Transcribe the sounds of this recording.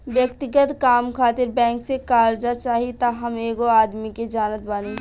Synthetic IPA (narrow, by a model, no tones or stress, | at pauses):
bjəkt̪ɪɡət̪kaːmkʰaːt̪ɪɾbɛ̃ːŋksekaːɾd͡ʒat͡ʃaːɦit̪aɦɐmeːɡoaːd̪miked͡ʒaːnət̪̚baːni